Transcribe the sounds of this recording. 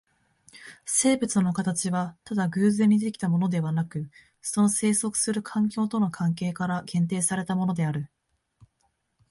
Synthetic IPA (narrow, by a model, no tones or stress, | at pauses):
se̞ːbɯ̟t͡sɨno̞kat̪at͡ɕiβat̪ad̪aɡɯ̟ːzẽ̞ɲ̟ːid̪e̞kʲi̥t̪amo̞no̞d̪e̞βanakɯ̟ | so̞no̞se̞ːso̞kɯ̟̥sɨɾɯ̟kʰãŋkʲo̞ːt̪o̞no̞kʰãŋk̬e̞ːkaɾaɡẽ̞nt̪̬e̞ːsaɾe̞t̪amo̞no̞d̪e̞aɾɯ̟